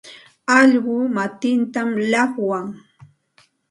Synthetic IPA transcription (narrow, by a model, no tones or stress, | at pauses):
ɑʎɢʊmat̪ɪnt̪amʎɑχwaŋ